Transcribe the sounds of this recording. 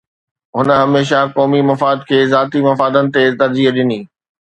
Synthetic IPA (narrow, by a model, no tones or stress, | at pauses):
ɦʊnə̆ɦɐmeːʃakɔːmimɐfaːd̪̚kʰeːzaːt̪imɐfaːd̪ənɪ̆t̪et̪ɐɾd͡ʑiːɦɗɪniː